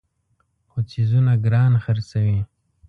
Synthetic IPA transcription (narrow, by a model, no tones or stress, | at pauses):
xot͡sizunaɡɾɑnxaɾsawi